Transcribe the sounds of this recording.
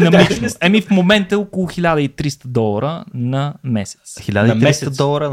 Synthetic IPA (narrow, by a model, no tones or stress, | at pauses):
nɐminoɛmifmomɛnt̪əɔkʊlˠʊxilʲad̪əit̪ɾist̪əd̪ɔlˠɐɾənɐmɛsɛ̥t̪sxiʎʲad̪ət̪ɾisd̪ɔlˠɐɾə